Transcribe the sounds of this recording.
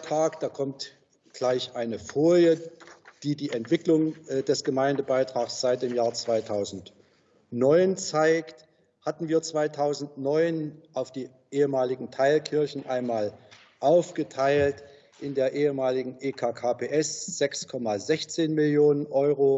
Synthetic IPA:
tʁ̥aːkd̥aːkʰɔmt | ɡ̥laɪçʔaɪnəfoːljəd̥iːdiːʔɛntv̥ɪklʊŋdɛsɡ̥əmaɪndəbaɪtʁ̥aːxsz̥aɪt̚d̥eːmjaːɐt͡sv̥aɪtʰaʊzn̩t | nɔʏnt͡saɪkt | hatn̩viːɐt͡sv̥aɪtʰaʊzn̩tnɔʏnʔaʊfd̥iː | ʔeːəmaːlɪɡŋ̩tʰaɪlkʰɪɐçn̩ʔaɪnmaːl | ʔaʊfɡ̥ətʰaɪlt | ʔɪndeːɐʔeːəmaːlɪɡŋ̩ʔeːkʰaːkʰaːpʰeːʔɛsz̥ɛkskʰɔmazɛçt͡seːnmɪljoːnənʔɔʏʁo

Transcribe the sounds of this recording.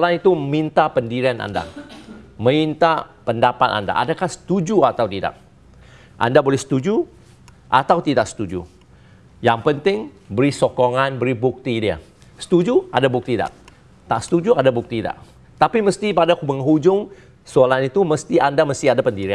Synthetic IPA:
slanit̪umint̪apəndiɾiana̰nda̰ | mə̃int̪apəndapat̪a̰nda̰ʔa̰dakahsə̥t̪ud͡ʒuat̪awt̪ida̰k̚ | ʔa̰ndabolɛhsə̥t̪ud͡ʒu | ʔa̰t̪awt̪idaʔ̚sə̥t̪ud͡ʒṵ | jaŋpənt̪ɪŋbəɾisokoŋanbəɾibuk̚t̪idiə̰ | sə̥t̪ud͡ʒua̰dabuk̚t̪ida̰ʔ̚ | t̪aʔsə̥t̪ud͡ʒuadabuk̚t̪ida̰ʔ | t̪apiməst̪ipadakuməŋɦud͡ʒʊŋ | solanit̪uməst̪iandaməst̪iadapəndiɾia

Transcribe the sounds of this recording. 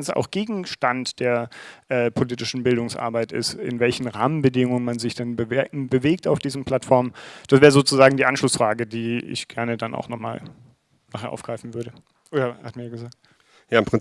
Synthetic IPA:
nsa̰ʊxɡ̥eːɡŋ̩ʃtantd̥eːɐʔɛːpʰoliːtɪʃn̩bɪldʊŋsʔa̰ɐbaɪtɪ̰sɪ̰nvɛlçn̩ʁa̰ːmənbədɪŋʊŋənmanzɪçd̥anbəbəveːk̚taʊfd̥iːzn̩pʰl̥atfɔɐmənd̥asv̥ɛːʁəzoːt͡suzaːɡŋ̩diːʔanʃlʊsfʁ̥aːɡədiːɪ̰çɡ̥ɛɐnədanʔa̰ʊxnɔχma̰ːl | naːχheːɐʔaʊɡ̥ʁ̥aɪfn̩vʏɐɾə | ʔoːɐha̰tmiɐjaɡəzaːk̚t | jaːɪmpʁ̥ɪn

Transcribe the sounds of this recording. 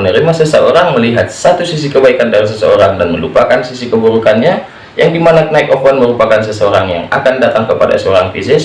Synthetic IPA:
ənəɾimasəsəoɾaŋməliɦat̪̚sat̪usis̬ikəbaikandaɾis̬əsə̰oɾaŋdanməlupakansisikəbuɾukanɲa | jaŋdimanaknaikɔfwanməɾupakans̬əsəoɾaŋja̰ŋa̰kandat̪aŋkəpada̰səoɾaŋfisɪs

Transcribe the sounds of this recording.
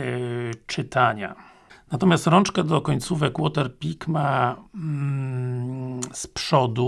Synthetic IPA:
t͡ʂɘt̪aɲa̰ | nat̪ɔmʲjast̪ɾɔnt͡ʂkɛd̪ɔkɔɲt̪suvɛkwɔt̪ɛɾpʲikma | spʂɔd̪u

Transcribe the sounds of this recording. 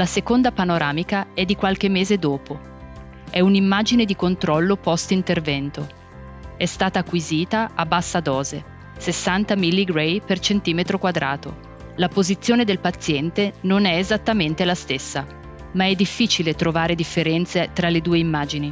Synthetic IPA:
lasekond̪apanoɾaːmikaɛd̪ːikwalk̟emːeːzed̪oːpo | ɛunimːaːd͡ʒined̪ikont̪ɾɔlːopɔst̪int̪ervɛnt̪o | ɛst̪aːt̪aːkːwiziːt̪aabːasːad̪ɔːze | sesːant̪amilːiɡɾejpert͡ʃent̪iːmet̪ɾokwad̪ɾʔaːt̪o̰ | lapozit̪sːjoːned̪elpat̪sːjɛnt̪enonɛezat̪ːament̪elast̪esːa | maɛd̪ːifːiːt͡ʃilet̪ɾovaːɾed̪ifːeɾɛnt̪set̪ɾaled̪uːeimːaːd͡ʒini

